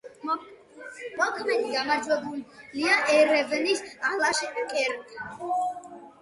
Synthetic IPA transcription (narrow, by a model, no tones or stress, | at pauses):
mɔkʰmɛd̪iɡamaɾd͡ʒwɛbulliaʔɛɾɛvnisalaʃɛkʼɛɾkʼ